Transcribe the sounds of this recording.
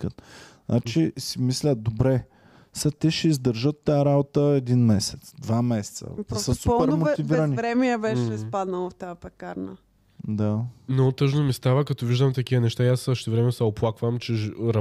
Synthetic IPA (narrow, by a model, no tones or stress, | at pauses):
kət̪nʔa̰t͡ʃisimislʲəd̪obɾɛ | sət̪ɛʃɛizd̪əɾʒət̪ːaaɾabot̪əɛd̪inmɛsɛt̪sd̪vamɛsɛ̥t̪sə̰dpɾsəsuoɛɾmot̪iviɾənivɾɛmɛɛbɛʃɛspad̪nəlˠoft̪aːpɛkaɾnə | d̪anot̪ɤʒnomist̪avəkɐt̪ɔviʒd̪əmt̪ɐk̟iənɛʃt̪aiassəʃt̪ɛvɾɛmɛnsɛoplˠakvəmt͡ʃɛʒɾɐ